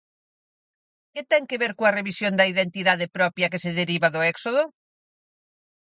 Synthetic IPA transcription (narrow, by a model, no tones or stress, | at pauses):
ket̪ɛŋkeβeɾkoɐreβisjond̪ɐiðent̪iðaðepɾɔpjɐkeseðeɾiβɐðʊɛksoðʊ